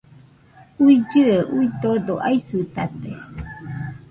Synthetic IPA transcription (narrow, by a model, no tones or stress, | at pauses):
uid͡ʒɨəʔuit̪od̪oʔaisɨt̪at̪e